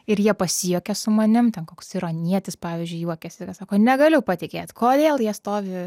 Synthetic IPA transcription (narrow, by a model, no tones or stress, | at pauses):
ɪɾjiɛpɐsʲɪjuːkʲɛsʊmɐnʲɪmt̪ʲɛnkoːksɪɾoːnʲiɛt̪ʲɪspɑːʋʲɪzʲd͡ʒʲʊɪjuɔkʲɛsʲkɐsɑːkoːnʲɛɡɐlʲʊpɐt̪ʲɪkʲeːt̪koːd̪ʲeːlˠjiɛst̪oːʋʲɪ